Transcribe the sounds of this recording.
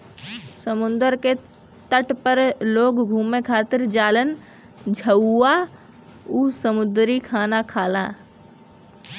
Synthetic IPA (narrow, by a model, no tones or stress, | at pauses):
səmʊ̃nd̪əɾke | t̪əʈpəɾloːɡɡʱuːmekʰaːt̪ɪɾd͡ʒaːlən | d͡ʒʱəa | uːsəmʊd̪ɾikʰaːnakʰaːlaː